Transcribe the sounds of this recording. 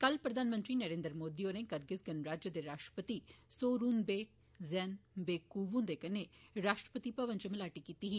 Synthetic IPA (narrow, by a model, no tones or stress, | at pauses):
kəlpɾəd̪ʱaːnmə̃nt̪ɾiːnəɾeːnd̪əɾmoːd̪iːoːneːkəɾɡɪsɡənɾaːd͡ʒjəd̪eːɾaːʃʈɾə̥pət̪iːsoːɾuːnbeː | zɛːnbeːkuːʋũnd̪eːkəneːɾaːʃʈɾəpət̪iːpəʋə̃nt͡ʃəməlaːʈiːkiːt̪iɦiː